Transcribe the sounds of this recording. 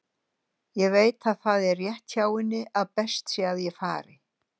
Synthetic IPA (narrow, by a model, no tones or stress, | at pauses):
jɛɣveːjt̪aðθaðɛrːjɛht̪çaːwɪnːɪʔaðpɛst̪siaðjɛfa̰ːɾɪ